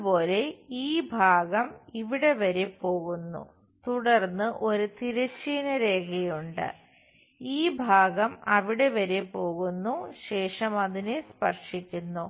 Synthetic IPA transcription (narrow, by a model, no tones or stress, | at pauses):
po̞ːle̞iːbʱaːɣɐmiʋiɽe̞ʋɐɾepːo̞ːɣunːṵ | t̪uɽɐrnːɨʔo̞ɾut̪iɾɐɕiːnɐɾe̞ːɣɐjuɳɖɨ̰ | iːbʱaːɣɐmɐʋiɽe̞ʋɐɾepo̞ːɣunːuɕe̞ːʂɐmɐðinespɐrʂikʲːunːu